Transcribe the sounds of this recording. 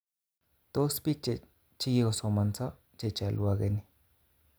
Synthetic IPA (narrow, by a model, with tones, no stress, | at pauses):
t̪o˦spi˦t͡ʃe˨ | t͡ʃi˦ji˦o˧so˨ma˧nt͡sa˦ | t͡ʃe˨t͡ʃa˨lʔwa˧ɣe˨ni˨